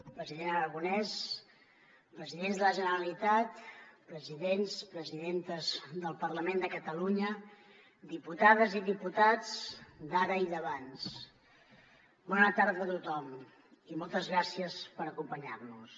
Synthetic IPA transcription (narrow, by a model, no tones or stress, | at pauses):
pɾəziðenəɾəɣunɛs | pɾəziðenzdðələʒənəɾəlit̪at̪pɾəziðenspɾəziðent̪əzðəlˠpərləmend̪əkət̪əluɲə | d̪iput̪aðəziðiput̪ad͡zd̪aɾəiðəβans | bɔnət̪aɾðəːt̪ut̪ɔm | imɔlˠt̪əzɣɾasiəspəɾəkumpəɲarnus